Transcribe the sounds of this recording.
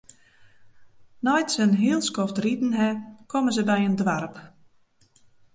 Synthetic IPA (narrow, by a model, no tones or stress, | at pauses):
nɔjtsənɦɪəlˠskɔftridn̩ɦɛkʰɔməzəbɛjəndʋarp